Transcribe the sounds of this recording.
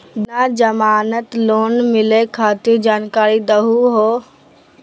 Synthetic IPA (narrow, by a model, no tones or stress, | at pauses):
nad͡ʒɐmaːnət̪loːnmɪlekʰaːt̪id͡ʒaːnkaːɾid̪ɐɦuɦoː